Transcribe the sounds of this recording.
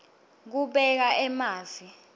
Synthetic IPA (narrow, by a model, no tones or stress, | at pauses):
k̬uɓɛk̬aʔɛmaːzi